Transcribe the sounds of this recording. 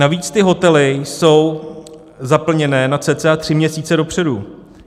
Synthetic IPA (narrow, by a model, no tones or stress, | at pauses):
naviːt͡st̪ɪɦo̞t̪ɛlɪso̞w | zapl̩ɲɛnɛːnat͡sɛːt͡sɛat̪r̝̥ɪmɲɛsiːt͡sɛdo̞pr̥ɛdu